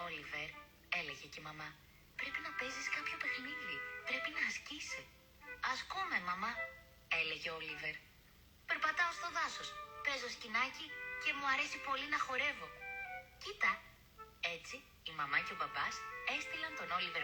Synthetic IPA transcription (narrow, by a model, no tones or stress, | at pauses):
olive̞ɾ | e̞le̞ʝe̞cemɐmɐ | pɾe̞pinɐpe̞ziskɐpço̞pe̞xniðipɾe̞pinɐːscisi | ɐspume̞mɐmɐ | e̞le̞ʝe̞olive̞ɾ | pe̞ɾpɐt̪ɐost̪o̞ðɐso̞spe̞zoscinɐcice̞muɐɾe̞sipo̞linɐxo̞ɾe̞vo̞cit̪ɐ | e̞t͡siː | mɐmɐce̞obɐbɐse̞st̪ilɐnt̪o̞no̞live̞ɾ